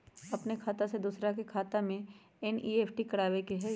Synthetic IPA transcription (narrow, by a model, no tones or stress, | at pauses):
ɐpnekʰaːt̪ased̪uːsɾakekʰaːt̪amẽ | ɛniːeːpʰʈikɐɽaːʋekeɦɛ